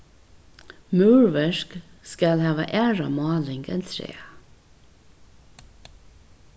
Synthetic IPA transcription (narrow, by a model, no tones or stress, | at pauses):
mʉːɹʋəʃkskɑlhɑːʋɑ̰ʔæːɹɑmɑːlɪŋɡɛ̰nt̪ʰɾḛː